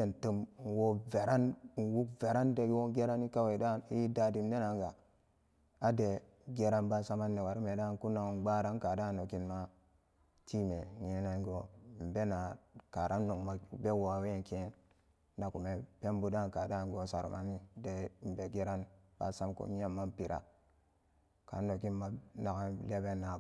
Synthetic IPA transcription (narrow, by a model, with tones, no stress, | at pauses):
de˨n˨tə˦m˨wo˦ve˨ɾa˦n˨wu˦kve˨ɾa˦nde˨˦wo˦ɡe˦ɾa˦ni˦ka˦we˨da˦˨ni˦da˦di˨m˦de˦na˨ŋ˦ɡa˨ | a˦de˨ | ɡe˦ɾa˦nba˦sa˦ma˦nːe˨wa˨ɾi˦me˨da˦˨nku˦na˨ɡ͡ba˦ɾa˦nka˨da˦˨no˨ki˨nma˦ | tʰi˦me˨ɲe˦na˦ŋ˦ɡo˨m̩˨be˦na˨ka˨ɾʔa˦nː˦o˨ŋma˨be˦wa˨we˦˨ke˦n | na˨ku˨me˨pe˦m˦bu˦da˦˨nka˨da˦˨ŋ˨ɡo˨sa˨ɾ̰mʔa˦ni˦de˨m̩˨be˨ɡe˦ɾa˦nb̥a̰˦sa˦mko̰˨ɲ˦e˦mːa˦m˦pi˨ɾa̰˨ | ka̰˨˦no˨ki˦nma˦na˨ka˦le˦be˦nːa˨